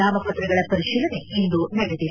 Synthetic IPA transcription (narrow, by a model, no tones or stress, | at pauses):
aːmɐpɐt̪ɾɐɡɐɭɐpɐɾiʃiːlɐne̞ind̪unɐɽed̪i